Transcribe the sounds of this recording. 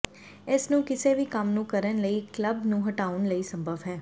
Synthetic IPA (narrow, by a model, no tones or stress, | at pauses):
esnũːkɪseʋiːkəmnũːkəɾənləiːkləbnũːɦəʈaːʊnləiːsə̃mbʱəʋɦɛː